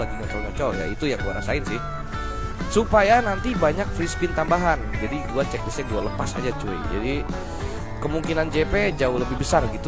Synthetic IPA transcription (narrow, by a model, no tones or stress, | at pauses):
aɡiŋɔt͡ʃɔlɲɔt͡ʃɔja̰it̪ujaŋkuaɾa̰saɪnsɪh | supajanant̪ibaɲak̚fɾispɪnt̪ambaɦand͡ʒadiduat͡ʃɛk̚disɛkd͡ʒuɡaləpasa̰d͡ʒat͡ʃuḭd͡ʒa̰di | kəmuŋkinand͡ʒeped͡ʒaʊhləbɪhbəsarɡit̪u